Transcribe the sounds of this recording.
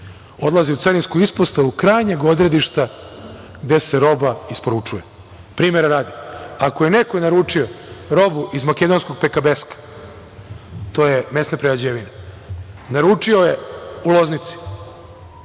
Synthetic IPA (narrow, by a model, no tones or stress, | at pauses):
o̞d̪lˠaziut̪saɾinskuispost̪aʋukɾaːjɲeɡo̞d̪ɾe̞d̪iʃt̪a | ɡd̪e̞seɾo̞baispo̞ɾut͡ʂuje | pɾiːmeɾaɾaːd̪iakojenekojenaɾuːt͡ʂioɾo̞buʔizmake̞d̪o̞nsko̞ɡ̚pekabeskḁ | t̪o̞jeme̞snapɾejad͡ʑeʋine | naɾuːt͡ʂio̞jeulo̞znit̪si̥